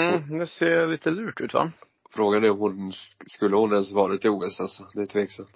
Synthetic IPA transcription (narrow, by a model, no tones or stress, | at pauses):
d̪ɛseːliːt̪ʰəlʉ̟ːʈʉ̟ːt̪va̰ | fɾoːɡanɛɾɔmhʊnskɵlːəhʊnɛnsvɑːɾat̪ːɪuːɛsalsɔd̪ɛt̪ʰveːksamt̪